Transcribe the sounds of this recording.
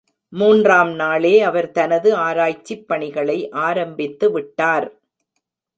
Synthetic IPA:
muːndraːmnaːleːɐʋɐɾt̪ɐnɐðɯaːɾaːjt͡ʃːɪpːɐɳɪɣɐɭɐɪʔaːɾɐmbɪt̪ːɯʋɪʈːaːɾ

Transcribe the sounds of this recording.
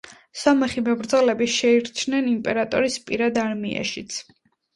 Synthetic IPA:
sɔmɛχimɛbɾd̪zlɛbiʃɛiɾt͡ʃʰnɛnimpʼɛɾat̪ʼɔɾispʼiɾad̪aɾmia̰ʃit̪sʰ

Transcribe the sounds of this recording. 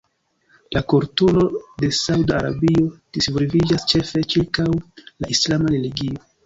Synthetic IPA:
lakoɾtulo̞de̞sawdaaɾa̰bio̞d̥isvɾvid͡ʒast͡ʃe̞fe̞t͡ʃiɾkawlaʔislamaɾeliɡio̞

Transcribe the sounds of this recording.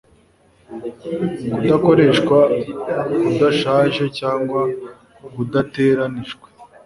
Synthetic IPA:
kudako̞ɾe̞ʃkwa | kudaʃaːʒe̞caːŋɡwa | βudateːɾaniʒɡwe

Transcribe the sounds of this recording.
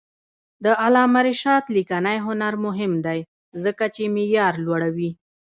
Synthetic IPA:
d̪əʔalɑmaɾɪʃɑt̪likanajɦʊnaɾmʊɦɪmd̪aj | zəkat͡ʃemijɑɾlwaɽawi

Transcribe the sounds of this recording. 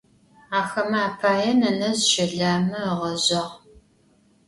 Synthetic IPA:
aːxɐmaːpʰaːjɛnɐnɐzʃɪɮaːmɨʁɐʑɐʁ

